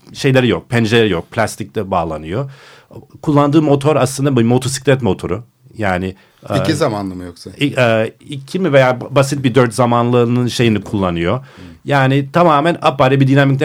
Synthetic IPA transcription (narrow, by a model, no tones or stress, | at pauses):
ʃe̞jlʲeɾijo̞k̚pʰɛnd͡ʒelʲeɾijo̞k̚pʰlʲast̪ʰic̚t̪ɛbaːlˠanɯjo | kʰulˠːand̪ɯːmo̞t̪ʰo̞ɾaslˠɯnd̪abumo̞t̪ʰo̞si̥klʲɛt̪mo̞t̪ʰo̞ɾu | jaːnɪ | iizamanlˠɯmɯjoksaiɛːicʰimivejaːbasit̪̚bid̪øɾt̪zamanlˠɯnɯnʃe̞jinikʰulˠːanɯjo̞jaːnɪt̪ʰamaːmɛnapaɾibid̪ynamict̪ʲ